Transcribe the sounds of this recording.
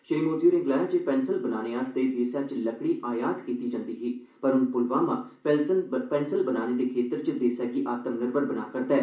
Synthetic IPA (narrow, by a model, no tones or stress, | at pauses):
ʃəɾiːmoːd̪ijuːɾɪ̃ŋɡlaːd͡ʒeːpɛːnsəlbənaːneːaːsd̪eːbʱeːsaːt͡ʃləkɽiːʔaːjaːd̪kiːt̪iːd͡ʒãːnd̪iːɦiː | pəɾʊnpʊlʋaːmãː | pɛpɛːnsəlbənaːneːd̪eːkʰeːt̪əɾt͡ʃd̪eːsaːɡiːʔaːt̪əmnəɾbəɾbəna̰ːkəɾt̪aːɛː